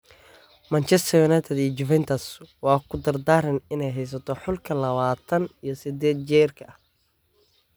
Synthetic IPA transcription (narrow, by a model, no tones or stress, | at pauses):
mɐnt͡ʃɛst̪ʰɔjʊnajt̪ʰɛd̪it͡ʃʊvɛnt̪ʰɐswɑːkʰʊd̪ɐrd̪aːɾɪnɪnɛjɦɛjs̬ɐt̪ʰɔħʊlkʰɐlɐβaːt̪ʰɐnijɞsɪd̪ɛːd̪̚t͡ʃɛːrkʰɐɐ